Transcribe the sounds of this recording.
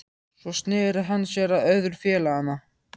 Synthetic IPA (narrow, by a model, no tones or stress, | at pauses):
svɔst̪nɪːɾɪɦanːsjɛːɾaðœɥðʏɾfjɛːlaanːa